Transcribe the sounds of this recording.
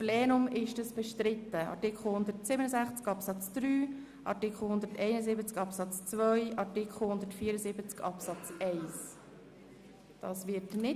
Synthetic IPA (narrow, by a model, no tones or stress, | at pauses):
pleːnʊmɪʃdəsb̥ɛʃtɾɪt̪ːəɑ̰tɪkʰχl̩hʊnd̪ətsɪbənəzæχt͡skɑpsɑt͡sd̪̥ɾyː | ʔɑ̰tɪkχl̩hʊnd̪əɾtɛɪnəzɪbət͡skɑpsɑt͡st͡svœjɑtɪkχl̩ˠhʊnd̪əɾtfiːəɾəzɪbət͡skɑ̰psɑt͡sɛɪs | d̥ɑsʋɪtnɪ